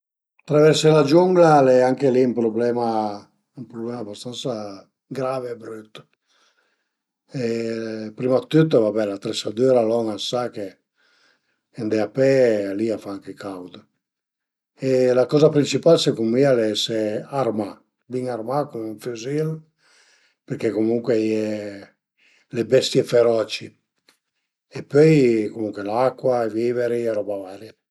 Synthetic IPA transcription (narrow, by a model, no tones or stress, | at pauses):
t̪ɾavɛɾselad͡ʒuŋɡlalɛaŋkeliumpɾoblɛma | ympɾoblɛmabast̪ansa | ɡɾavebɾyt̪ː | epɾimat̪ːyt̪ːvabɛlat̪ɾesad̪yɾalɔŋasake | end̪ɛapɛaliafaaŋkekʰawd̪ə | elakɔzapɾint͡ʃipalsekumialɛsearma | biŋarmakumuɱfyzil | peɾkekomuŋkwejɛ | lebɛst̪jefeɾɔt͡ʃi | epøjkomuŋkwelakːwaeviːveɾiɛɾɔbavaːɾja